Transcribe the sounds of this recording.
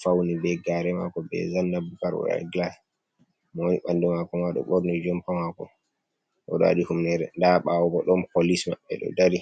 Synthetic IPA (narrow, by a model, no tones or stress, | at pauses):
fawnibɛɡaːɾɛma̰kɔbɛ̰zanːabukaɾwɔ̰ɗa̰ɡlas | mwniɓandumakɔmaɗɔ̰ɓɔɾnɔd͡ʒɔmpamakɔ̰ | ʔɔ̰ɗɔa̰ɗihumndɛɾndaɓawɔbɔɗɔnpolisma̰ɓːɛ̰ɗɔ̰daɾi